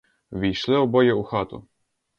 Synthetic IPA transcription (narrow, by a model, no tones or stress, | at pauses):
ʋʲijʃlˠɪɔbɔjɛuxat̪ʊ̰